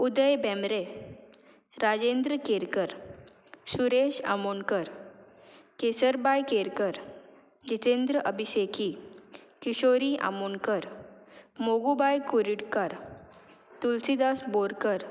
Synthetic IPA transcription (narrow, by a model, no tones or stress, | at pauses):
ud̪əjbɛmɾe | ɾad͡ʑend̪ɾəkeɾkəɾ | suɾeɕa̰monkəɾ | kesəɾbajkeɾkəɾ | d͡ʑit̪end̪ɾəʔəbʱisekikiɕoɾiʔa̰monkəɾ | moɡubajkuɾiɽkaɾ | t̪ulsid̪asboɾkəɾ